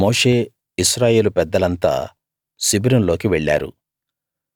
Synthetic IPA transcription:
mo̞ːʂe̞ː | isɾaːje̞ːlupɛd̪ːɐlɐnt̪a̰ː | sibiɾunlo̞ːkiʋɛɭːa̰ːɾṵ

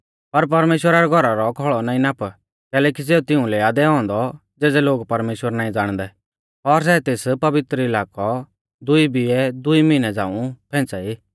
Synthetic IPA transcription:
pɐɾp̬ɐɾmeːʃwəɾaɾɛɡʱɔɾaɾɔkʰɔɭɔnaːĩnaːp | kɛːlɛːkis̬eːũt̪ɪũlɛaːd̪ɛɦɔ̃ːnd̪ɔ | d͡zeːd͡zɛloːɡpɐɾmeːʃwəɾnaːĩd͡zaːɽ̃d̪ɛ | ɔɾs̬ɛt̪eːspɐbɪt̪ɾəɪlaːkɔ | d̪ʊibʱiɛd̪ʊimɪnɛd͡za̰ːũpʰɛ̃ːt͡saiː

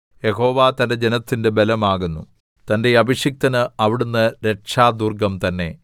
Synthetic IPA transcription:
je̞ɦo̞ːʋat̪ɐnde̞d͡ʑenɐt̪ːinde̞be̞lɐmaːɣunːu | t̪ɐnde̞ɐbiɕik̚t̪ɐnɨɐʋiɽunːɐɾe̞ʈʂaːd̪uːrɡɐmt̪ɐnːe̞

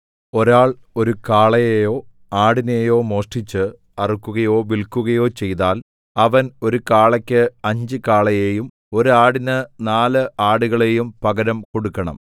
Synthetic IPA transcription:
o̞ɾaːɭo̞ɾukaːɭɐjejo̞ː | aːɽine̞jo̞ːmo̞ːʂʈit͡ɕːɨ | ɐrukːuɣɐjo̞ːʋilkːuɣɐjo̞ːt͡ɕe̞jt̪aːl | ɐʋɐno̞ɾukaːɭɐkʲːɨɐɲd͡ʑɨkaːɭɐjeːjum | o̞ɾuaːɽinɨnaːlɨʔaːɽuɣɐɭe̞jumpɐɣɐɾɐmko̞ɽukːɐɳɐ̰m

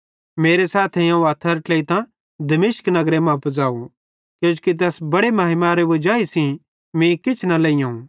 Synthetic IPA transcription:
meːɾesaːt̪ʰejãːũaːt̪ʰəɾʈleit̪ã | d̪ɐmɪʃknɐɡɾemãpd͡zaːũ | kjũːd͡ʒkit̪̬ɛːsbɐɽemɐːɦɪmaɾeʋod͡ʒaːisĩ | mĩkɪt͡ʃʰnɐlɐijãɦũ

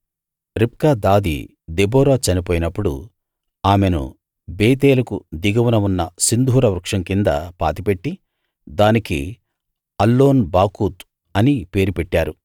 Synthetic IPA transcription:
ɾip̚kaːd̪aːd̪ḭ | d̪ebɔːɾaːt͡ʃɐnipoːjinɐpːuɽṵ | aːmenṵ | beːt̪̬eːlɐkṵd̪iɡɐwunɐunːɐsind̪ʱuːɾɐʋɾukʂɐŋkind̪ɐ̰pa̰ːt̪ipe̞ʈːi | d̪aːnikḭ | ɐlːo̞ːnbaːkuːt̪ | ɐnipe̞ːɾupeʈːaːɾu

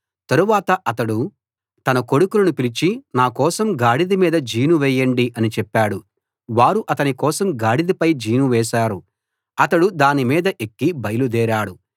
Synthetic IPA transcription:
t̪ɐɾuʋaːt̪ɐʔɐt̪ɐɽu | t̪ɐnɐko̞ɽukulɐnupilit͡ʃinaːkɔːsɐmɡaːɽid̪imiːd̪ɐd͡ʒiːnuʋɛːjɐɳɖiʔɐnit͡ʃɛpːaːɽu | ʋaːɾuʔɐt̪ɐnikɔːsɐmɡaːɽid̪ipɐjd͡ʒiːnuʋɛːʃaːɾu | ɐt̪ɐɽud̪aːnimiːd̪ɐʔekːibɐjɐlud̪ɛːɾaːɽu

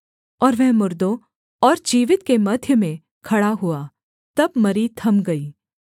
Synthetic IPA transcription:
ɔːɾʋɛɦmʊɾd̪õ | ɔːɾd͡ʒiːʋɪt̪kemɐd̪ʱjəmẽ | kʰɐɽaɦua | t̪ɐbmɐɾit̪ʰɐmɡɐiː

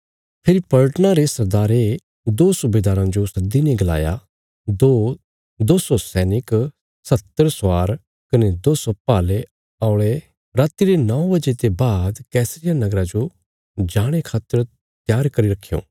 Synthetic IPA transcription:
pʰɪɾipɐlʈənaɾesɐɾd̪aːɾe | d̪oːsʊbeːd̪aːɾãd͡ʒosɐd̪ːineɡɐla̰ːja̰ | d̪o | d̪oːsosɛːnɪk | sɐt̪ːəɾsaːɾ | kɐned̪oːsopaːle | aːʊɭe | ɾaːt̪ːiɾenɐõbɐd͡ʒet̪ebaːd̪kɛːsɾɪjanɐɡɾãd͡ʒo | d͡ʒaːɽ̃ekʰaːt̪ːəɾ | t̪jaːɾkɐɾiɾɐkʰːijõ̰ː

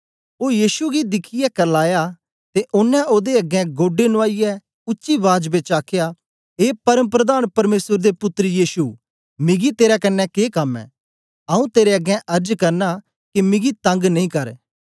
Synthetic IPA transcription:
oːjiːsuɡid̪ɪkʰɪjɛkɐlaːja | t̪eʔʊnːɛ̃ʔoːd̪eɐɡɛ̃ɡoːɖenʊaːɪjɛ | ʊʃiʋaːd͡ʒbet͡ʃaːkʰeja | eːpɐɾəmp̬ɾɐd̪aːnpɐɾmeːsəɾd̪epʊt̪ːɾijiːsu | mɪ̃ɡit̪eːɾɛkɐnːɛkeːkɐmːɛ̰̃ː | ɐːũt̪eːɾeɐɡɛ̃ʔɐɾd͡ʒkɐɾna | kimɪ̃ɡit̪ɐ̃ŋɡnɐĩkɐɾ

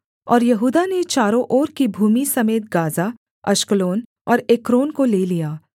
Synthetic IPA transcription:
ɔːɾjɐɦuːd̪anet͡ʃaːɾõʔɔːɾkibʱuːmisɐmeːt̪̚ɡaːza | ɐʃkəloːn | ɔːɾeːkɾoːnkoleːlijaː

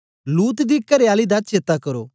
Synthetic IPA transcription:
luːt̪d̪iːkɐɾjaːlid̪at͡ʃeːt̪akɐɾo̰ː

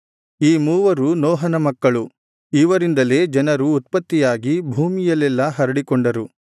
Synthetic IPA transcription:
iːmuːʋɐɾunɔːɦɐnɐmɐkːɐɭu | iʋɐɾind̪ɐle̞ːd͡ʒɐnɐɾuːt̪̚pɐt̪ːijaːɡibʱuːmijɐlɛlːɐɦɐɾɐɽikɔɳɖɐɾu

